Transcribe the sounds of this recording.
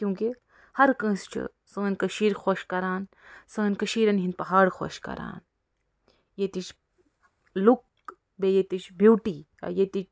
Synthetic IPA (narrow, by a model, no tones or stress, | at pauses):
kjũːki | hɐɾkɐ̃ːst͡ʃʰṵ | sɐːnʲkɐʃiːɾxoʃkɐɾaːn | sɐ̃ːnkɐʃiːɾɐnɦinpɐɦaːɽxo̰ʃkɐ̰ɾa̰ːn | jet̪it͡ʃʰ | luk̚ | bejet̪it͡ʃʰbiwʈi | a̰jet̪it͡ʃ